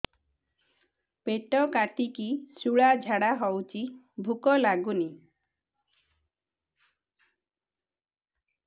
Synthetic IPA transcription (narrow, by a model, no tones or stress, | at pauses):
peʈɔkaʈikisuɭad͡ʒʱaɽaɦɔwt͡ʃʰi | bʱukɔlaɡuni